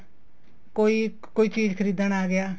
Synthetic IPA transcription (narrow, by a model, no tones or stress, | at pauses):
koːi | koːiːt͡ʃiːd͡ʒkʰəɾiːd̪ənaːɡɪjaː